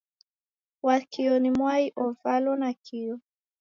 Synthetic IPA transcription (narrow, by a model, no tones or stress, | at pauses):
wakiɔnimwaiʔɔvalɔnakʰiɔ